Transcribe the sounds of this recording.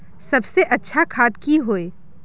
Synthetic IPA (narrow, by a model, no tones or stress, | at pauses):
sɐbseʔɐtːʃʰakʰaːd̪kiɦoːeː